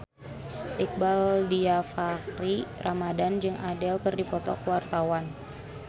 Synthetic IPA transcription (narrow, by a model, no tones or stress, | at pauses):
ʔik̚baldiafakɾirʔamadand͡ʒɨŋadɛlkɨrdipɔt̪ɔkwart̪awan